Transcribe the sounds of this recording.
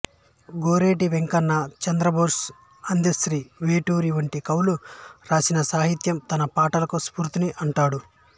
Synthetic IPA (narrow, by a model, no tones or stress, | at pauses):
ɡoːɾeːʈiʋeŋkɐnːɐt͡ʃɐnd̪ɾɐboːɾs | ɐnd̪isɾiːʋeːʈuːɾiʋɐɳʈikɐwluɾaːsinɐsaːɦit̪jɐmt̪ɐnɐpaːʈɐlɐkuspuːɾt̪iniʔɐɳʈaːɽu